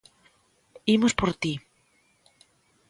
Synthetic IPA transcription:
imospoɾt̪i

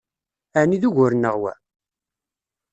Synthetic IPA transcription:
æniðuʝʊɾnːəʁwæ̰

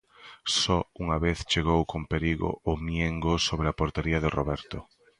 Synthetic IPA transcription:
sɔuŋaβeθt͡ʃeɣowkompeɾiɣo̰ʔʊmjeŋɡosoβɾeapoɾt̪eɾiɐðɪroβɛɾt̪o

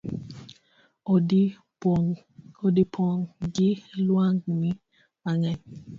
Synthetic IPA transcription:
odipʰɔŋɡɪlwaŋnɪ | aŋɛɲ

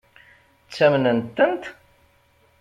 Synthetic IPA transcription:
t͡sːæmnənt̪ːənt̪

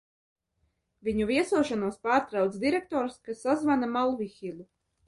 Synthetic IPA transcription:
vʲiɲuviɛsuɔʃanuɔspaːɾt̪ɾawt̪sd̪ʲiɾɛk̚t̪ɔːɾskasːazvanamalˠvixʲilʲu

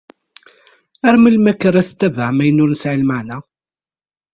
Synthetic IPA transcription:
æɾməlmækːəɾæθt̪ːævəʕmæjənʊɾnəsʕilməʕnæ

